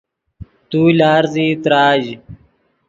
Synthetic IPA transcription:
t̪uːlaːɾziːt̪ɾaːʑ

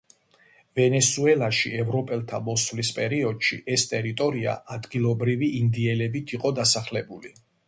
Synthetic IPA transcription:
vɛnɛsuɛlˠaʃḭɛvɾɔpʼɛlˠt̪ʰamɔsvlispʼɛɾiɔd̪̥ʃḭʔɛst̪ʼɛɾit̪ʼɔɾia̰ad̪ɡilˠɔbɾiviind̪iɛlɛbit̪ʰiqʼɔd̪asaχlɛbuli

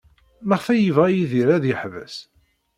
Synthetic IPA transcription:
məʁθæjəvʁæjiðiɾæðjəħvæ̰s

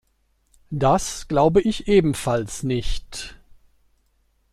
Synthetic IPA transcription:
d̥asɡ̥laʊbəʔɪçʔeːbm̩falsnɪçt

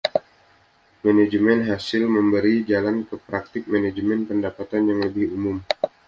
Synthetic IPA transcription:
maned͡ʒəmɛnɦasɪlməmbəɾid͡ʒalankəpɾak̚t̪ɪk̚maned͡ʒəmɛnpəndapat̪anjaŋləbɪhumʊm

